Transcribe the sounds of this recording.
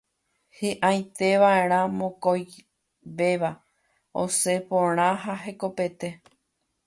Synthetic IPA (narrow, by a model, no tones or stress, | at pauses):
hɨʔãj̃t̪e̞ʋae̞ɾ̃ãmõkoj | ʋe̞ʋa | o̰se̞põɾ̃ãɦaɦe̞ko̞pe̞t̪e̞